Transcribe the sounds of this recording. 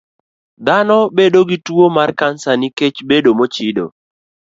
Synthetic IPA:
d̪anɔbedoɡitwomarkansaniket͡ʃbedomot͡ʃido̰

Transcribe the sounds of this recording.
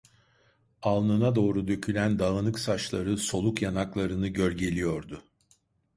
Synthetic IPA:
alˠnɯnad̪o̞ːɾud̪ø̞cʰylʲænd̪aɣɯnɯksat͡ʃlˠaɾɯso̞lˠukjanaklˠaɾɯnɯɟølɟe̞lʲijo̞ɾd̪ʊ

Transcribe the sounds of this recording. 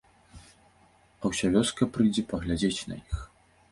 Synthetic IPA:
ɐwsʲavʲɔskɐpɾɨjd͡zʲɛpɐɣlʲad͡zʲet͡sʲnɐ̰jix

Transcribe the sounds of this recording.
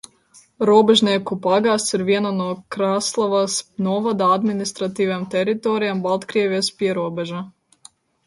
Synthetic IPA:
ɾuɔbɛʒnʲiɛkupaɡaːssiɾviɛnanuɔkɾaːslˠavasnuɔvad̪aad̪minist̪ɾat̪iːvamt̪ɛɾit̪ɔɾijambalˠt̪kɾiɛvijɛspʲiɛɾuɔbɛʒa

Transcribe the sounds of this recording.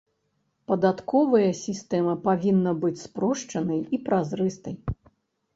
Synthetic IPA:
pɐd̪at̪kɔvɐjɐsʲist̪ɛmɐpavʲinːɐbɨt͡sʲspɾɔʂt͡ʂɐnɐjipɾazɾɨst̪ɐj

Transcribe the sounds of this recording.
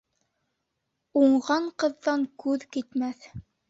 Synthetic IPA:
uɴʁɑɴqɤ̆ðːɑŋkʉðkit̪mæθ

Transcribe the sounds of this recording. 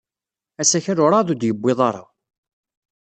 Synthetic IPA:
æsæçərʊɾˤɑðˤud̪jəbːeðˤɑɾˤɑ̰

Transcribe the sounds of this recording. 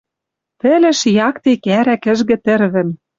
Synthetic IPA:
t̪ɘ̆lɘ̆ʃjɑkt̪ekæɾækɘ̆ʒɣɘ̆t̪ɘ̆rβɘ̆m

